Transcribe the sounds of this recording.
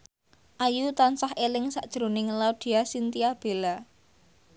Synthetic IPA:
ʔajut̪ansahelɪŋsaʔd̥ʒ̥ɾonɪŋlaɖ̪̥i̤asint̪iab̥e̤la

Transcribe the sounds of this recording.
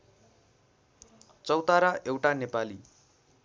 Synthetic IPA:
t͡sʌwt̪aɾaewʈanepali

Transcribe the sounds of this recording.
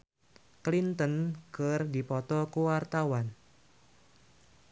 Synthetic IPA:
klint̪ənkərdipɔt̪ɔkuwart̪awan

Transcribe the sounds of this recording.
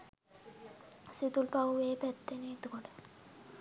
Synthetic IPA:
sit̪ulpaueːpɛt̪ːenit̪ukoʈə̥

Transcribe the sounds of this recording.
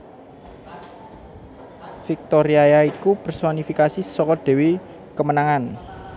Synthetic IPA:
fik̚t̪oɾiajaikub̥ərswanifikasisɔkɔɖ̪̥e̤wi | kəmənaŋan

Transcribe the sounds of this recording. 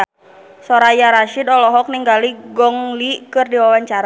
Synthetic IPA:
sɔɾajaɾaʃidɔlɔɦɔk̚niŋɡaliɡɔŋlikɨrdiwawaɲt͡ʃaɾa

